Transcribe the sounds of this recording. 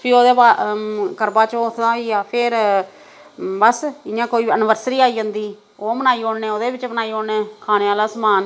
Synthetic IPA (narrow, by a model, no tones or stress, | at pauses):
pʰiːoːd̪eːbaːkəɾbaːt͡ʃoːt̪ʰd̪ãːiːaːpʰɪɾ | bəsɪjãːkoːiːənʋəɾsɾiːaːiːd͡ʒãːnd̪iː | oːmənaːiːõːɳneːoːd̪eːbɪt͡ʃbənaːiːoːɳneːkʰaːneːaːlaːsəmaːn